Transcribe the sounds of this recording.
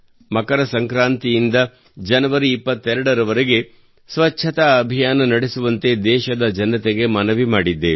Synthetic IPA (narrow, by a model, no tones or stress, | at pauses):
mɐkɐɾɐsɐŋkɾaːnt̪ijind̪ɐ | d͡ʒɐnɐʋɐɾiːpːɐt̪ːɛɾɐɽɐɾɐʋɐɾeɡe̞ | sʋɐt͡ʃːt͡ʃʰɐt̪aɐbʱijaːnɐnɐɽesuʋɐnt̪e̞d̪ɛːʃɐd̪ɐd͡ʒɐnːɐt̪eɡe̞mɐnɐʋimaːɽid̪ːe